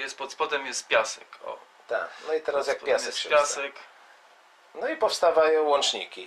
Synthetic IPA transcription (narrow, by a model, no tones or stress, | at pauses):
jɛst̪pɔt̪spɔt̪ɛmjɛst̪̚pʲjasɛkɔ̰ | t̪a̰nɔit̪ɛɾasjakpjasɛspʲjasɛk | nɔipɔfst̪avajɔ̃w̃wɔnt͡ʂɲḭkʲi